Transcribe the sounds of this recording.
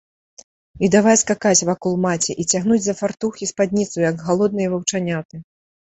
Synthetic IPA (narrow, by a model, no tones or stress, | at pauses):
id̪avajskakat͡sʲvakɔlˠmat͡sʲɛʔit͡sʲaɣnud͡zʲzɐfart̪uxispad̪ʲnʲit̪sujɐɡːalˠɔd̪̚nɨjɛvɐwt͡ʂanʲawt̪ɨ